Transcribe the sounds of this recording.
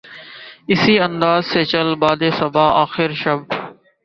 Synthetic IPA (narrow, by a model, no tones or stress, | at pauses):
ɪsiːə̃nd̪aːzseːt͡ʃəlbaːd̪eːsəbʱaːaːxɪɾʃəb